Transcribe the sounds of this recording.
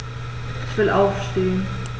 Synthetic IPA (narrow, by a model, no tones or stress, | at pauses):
ɪçv̥ɪlʔaʊfʃteːən